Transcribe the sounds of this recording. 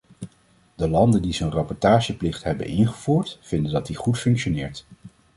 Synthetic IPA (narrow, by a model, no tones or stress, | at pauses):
dəlɑndəndizənrɑpɔɹtaːʒəplɪχtɦɛbə̰nɪnχəv̥uːɹtfɪndəndɑt̚diχutfɵŋkʃonɪːɹt